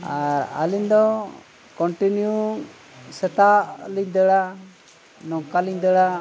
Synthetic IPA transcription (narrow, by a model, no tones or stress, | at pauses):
aɾa̰liɲd̪ɔ | kɔɳʈinjuŋ | sɛt̪aʔliɲd̪əɽa | nɔŋkaliɲd̪əɽa